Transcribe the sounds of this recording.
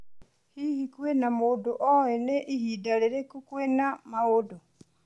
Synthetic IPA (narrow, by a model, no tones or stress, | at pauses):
hihikwenamodoʔoeneʔihidaleɾekukwenamaɣodo